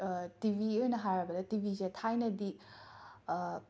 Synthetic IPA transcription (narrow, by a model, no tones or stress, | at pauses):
tibʱieɾnɐɦajɾɐbɐdɐtibʱizetʰajnɐdi